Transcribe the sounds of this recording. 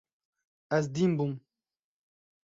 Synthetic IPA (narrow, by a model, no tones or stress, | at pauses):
as̬d̪imbum